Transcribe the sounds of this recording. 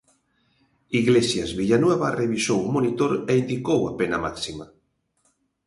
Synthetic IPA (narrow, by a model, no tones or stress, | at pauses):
iɣlesjazβiʎanweβareβisowmonit̪oɾeind̪ikowa̰penamaksima